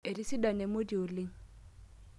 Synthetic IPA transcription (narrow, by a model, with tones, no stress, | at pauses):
e˨ɾi˦si˦da˨ne˨mo˦di˨o˨lɪ˦ŋ